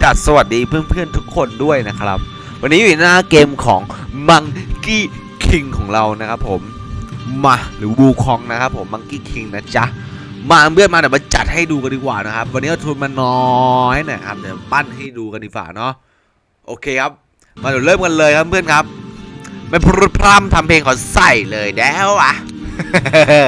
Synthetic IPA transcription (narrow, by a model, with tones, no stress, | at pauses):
t͡ɕa˨˩t̪̚sa˧wa˨˩t̪̚diː˧pʰɯ˥˩ənpʰɯ˥˩ənt̪ʰu˦˥kʰːo˧ndu˥˩əjna˦˥kʰɾa˦˥p̚ | wa˧nːiː˦˥˨i˨˩˦naː˥˩keː˧mkʰɔː˩˦ŋma˧ŋkiː˥˩ | kʰi˧ŋkʰɔː˩˦ŋɾa˧wna˦˥kʰa˦˥pʰːo˩˦mː | a˧ɾɯː˩˦buː˧kʰɔː˧ŋna˦˥kʰa˦˥pʰːo˩˦mːa˧ŋkiː˥˩kʰi˧ŋna˦˥t͡ɕa˦˥ʔ | maː˧pʰɯ˥˩ənmaː˧t̪ɛː˨˩maː˧t͡ɕa̰˨˩t̪̚ha˥˩jduː˧ka˧ndiː˧kwa̰ː˨˩na˦˥kʰa˦˥p̚wa˧nːi˦˥a˧˩t̪ʰuː˧nmaː˧nːɔ˦jna˧˩kʰa˦p̚t̪ɛː˨˩˧ba˥˩nha˥˩jduː˧ka˧ndiː˧˩kwa̰ː˨˩nɔ˦˥ | ʔoː˧kʰeː˧kʰa˦˥p̚ | maː˧du˨˩˦lɤː˥˩mka˧nlɤː˧jkʰa˦˥ppʰɯ˥˩ənkʰa˦˥p̚ | ma˥˩jpʰɾu˦˥t̪̚pʰɾa˥˩mt̪ʰa˧mpʰeː˧ŋkʰɔː˨˩˦sa˧˩jlɤː˧jdɛː˦˥wʔa˨˩